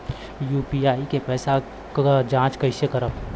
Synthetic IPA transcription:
juːpiaːikepɛːsa | d͡ʒãːt͡ʃkəɪsjəkəɾəb

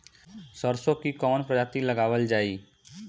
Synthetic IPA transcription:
səɾsõkikɔːnpɾəd͡ʒaːt̪iləɡaːʋəld͡ʒaːiː

